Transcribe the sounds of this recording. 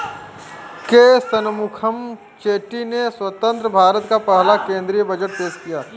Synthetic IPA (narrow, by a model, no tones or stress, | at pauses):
keːst̪ənmʊkʰəm | t͡ʃeːʈineswət̪ə̃nt̪ɾəbʱaːɾət̪kapɐɦlakẽːnd̪ɾijbɐd͡ʒəʈ̚peːd͡ʒkijaː